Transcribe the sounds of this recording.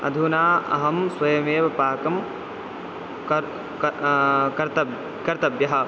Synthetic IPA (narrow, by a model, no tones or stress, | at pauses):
ɐ̰d̪ʱunaːʔɐ̰ɦɐmswɐjɐmeːʋɐpaːkɐm | ɐ | kɐɾt̪ɐb | kɐɾt̪ɐbjɐɦɐ